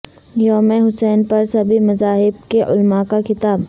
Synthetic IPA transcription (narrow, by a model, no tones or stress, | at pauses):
jɔːmẽɦʊsɛːnpɐɾsɐbʱimɐzaːɦɪb̚keʔʊ̰lmakakɪt̪aːb